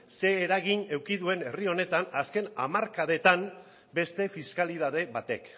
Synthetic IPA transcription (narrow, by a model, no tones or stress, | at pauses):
se̞ːɾaɣine̞wkiðue̞ne̞rio̞ne̞t̪anaske̞na̰maɾkaðe̞t̪am | be̞st̪e̞fiskalið̞aðe̞βat̪e̞̰k